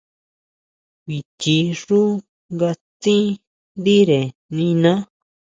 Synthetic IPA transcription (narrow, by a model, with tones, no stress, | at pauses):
βi˨t͡ʃi˧ʐu˦ | ŋɡa˧t͡sĩ˦ | nd̪i˦ɾe˨nĩ˧nã˦